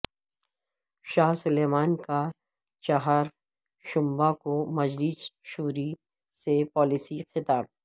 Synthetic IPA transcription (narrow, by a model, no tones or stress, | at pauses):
ʃaːɦsʊleːmaːnka | t͡ʃaɦaːɾ | ʃʊ̃mbakomɐd͡ʒliːsʃuːɾi | sepɔːlisixɪt̪aːb̚